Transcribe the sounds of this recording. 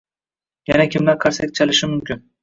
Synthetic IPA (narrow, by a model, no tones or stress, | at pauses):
janakʲʰɪmlaɾqʰaɾsak̚ʲt͡ʃʰalɪʃɪmʊmkʲɪn